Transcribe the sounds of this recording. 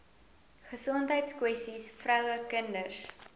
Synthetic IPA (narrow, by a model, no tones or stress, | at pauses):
χəsɔntɦəjtskwɛstisfrœwəkəndərs